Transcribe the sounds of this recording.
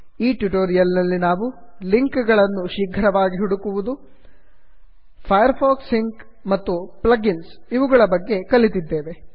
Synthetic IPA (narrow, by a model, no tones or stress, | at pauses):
iːʈjuʈoːɾijɐlnɐlːinaːʋuliŋkɡɐɭɐnːuʃiɡʱɐɾɐʋaːɡiɦuɽukuʋud̪u | pʰɐjɐɾpʰoːksiŋk | mɐt̪ːuplɐɡinsiʋuɡɐɭɐbɐɡːe̞kɐlit̪id̪ːe̞ːʋe̞